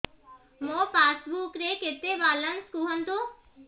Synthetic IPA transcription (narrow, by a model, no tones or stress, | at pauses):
mõːpaːsbuːkɾeːket̪ebaːlənskuːɦənd̪oː